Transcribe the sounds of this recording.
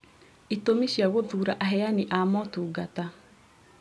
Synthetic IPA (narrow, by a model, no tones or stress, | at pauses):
itomiʃiaɣoðuːɾaʔaɦɛaniʔamɔtuːɡata